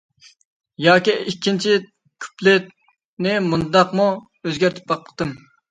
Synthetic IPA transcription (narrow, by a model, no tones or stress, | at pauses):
jɑːkʲiikʲʰːint͡ʃʰi | kʲʰy̥plɪt̪ | nɪmund̪ɑqmu | øzɡʲæɾt̪ʰɪ̥p̚bɑqlə̥χt̪ɨm